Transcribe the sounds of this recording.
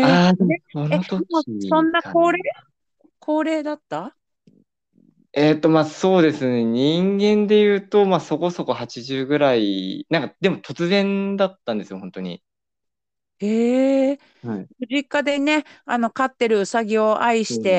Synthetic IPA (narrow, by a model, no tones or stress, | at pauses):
aesonot̪oosõ̞nːako̞ːɾeː | kʰo̞ːɾe̞ːd̪at̪ːa | et̪ːo̞maːso̞ːd̪e̞sɨne̞ɲĩŋɡẽ̞nd̪e̞jɯ̟ːt̪o̞maːso̞ko̞so̞ko̞hat͡ɕiʑɨːɡɯ̟ɾainãŋkad̪e̞mo̞t̪ʰo̞t͡sɨzẽ̞nd̪at̪ːãnd̪e̞sɨjo̞hõ̞nt̪o̞ɲ̟ḭ | eː | ɸɯ̟ʑikad̪e̞ne̞ano̞kat̪ːe̞ɾɯ̟saɡʲio̞ʔaiɕi̥t̪e̞